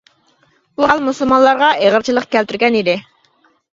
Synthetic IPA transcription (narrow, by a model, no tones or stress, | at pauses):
uɑlˠmusɨlˠmɑnlˠɑɾʁɑʔeʁəɾt͡ʃʰilˠəqkʲælt̪yɾɡʲɛnid̪ɪ